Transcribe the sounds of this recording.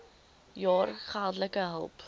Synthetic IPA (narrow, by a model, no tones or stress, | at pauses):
jɑːrχalˠdləkəɦə̰lˠp